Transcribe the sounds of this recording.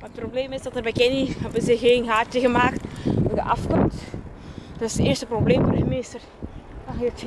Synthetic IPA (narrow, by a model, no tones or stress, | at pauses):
maət̚probleːmɪsdɑtərbɛkɪnihɛbəzəxeːnɦaːtəɣəmaːktɛdə̰ʔɑfkɔmt | d̥tɪsdəɪːrstəprobleːmvodəminɪstər